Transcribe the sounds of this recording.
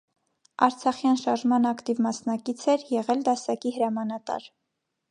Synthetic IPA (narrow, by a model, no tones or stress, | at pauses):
ɑ̰ɾt͡sʰɑχjɑnʃɑɾʒmɑnɑkt̪ivmɑsnɑkit͡sʰɛɾjɛʁɛld̪ɑsɑkihəɾɑmɑnɑt̪ɑ̰ɾ